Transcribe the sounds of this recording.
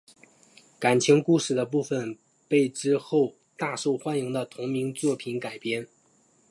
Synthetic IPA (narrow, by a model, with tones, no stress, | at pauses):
ka˨˩nt͡ɕʰi˧˥ŋku˥ʂɻ̩˥˩d̪ə˦pu˥˩fə˨˩n | pe˥˩ɪʈ͡ʂɻ̩˥xo˥˧ʊ | t̪a˥˧ʂo˥˩ʊxwa˥nji˧˥ŋd̪ə˧t̪ʰʊ˧˥ŋmi˧˥ŋt͡swɔ˥˩pʰi˧˥nka˨˩ɪpjɛ˥n